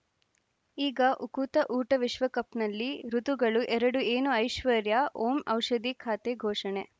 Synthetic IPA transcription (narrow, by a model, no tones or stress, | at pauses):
iːɡɐʔukut̪ɐʔuːʈɐʋiʃʋɐkɐpnɐlːiɾut̪uɡɐɭuʔɛɾɐɽueːnuɐjʃʋɐɾjaoːmɐwʃɐd̪ikʰaːt̪eɡʱoːʂɐɳe